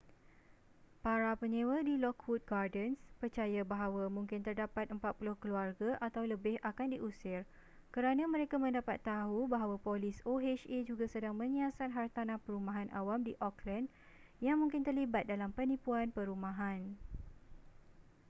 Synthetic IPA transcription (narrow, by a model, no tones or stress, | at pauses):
paɾapəɲẽwədilɔkhut̪̚ɡardənspərt͡ʃajabaɦawamũŋkɪnt̪ərdapat̪̚əmpat̪̚pulʊhkəluarɡaʔat̪awləbɪhʔakandiʔusɪr | kəɾanãmə̃ɾekamə̃ndapat̪ːaɦubaɦawapolɪsoɦet͡ʃed͡ʒuɡasədaŋmə̃ɲiasat̪̚ɦart̪anãhpəɾumãɦanʔa̰wamdiʔɔklən | jaŋmũŋkɪnt̪ərlibat̪̚dalampənĩpuanpəɾumãɦan